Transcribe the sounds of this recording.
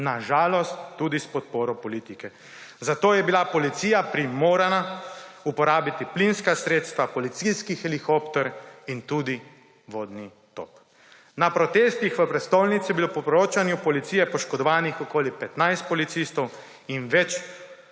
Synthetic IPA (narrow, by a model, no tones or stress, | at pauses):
naʒaːlɔst̪ːuːd̪ispɔt̪̚poːɾɔpɔlit̪ikɛ | zat̪oːjɛbilapɔlit̪siːjapɾimoːɾanaupɔɾaːbit̪iplinskasɾeːt̪st̪ʋapɔlit̪siskixɛlixoːpt̪ɛɾint̪uːd̪i | ʋoːd̪ni | t̪o̰p | napɾɔt̪eːst̪ixʋəpɾɛst̪owlnit̪sijɛbilopɔpɾoːt͡ʃanjupɔlit̪ijɛpɔʃkɔd̪ɔʋaːnixɔkoːlipɛt̪najst̪̚pɔlit̪sist̪ɔw | inʋɛt͡ʃ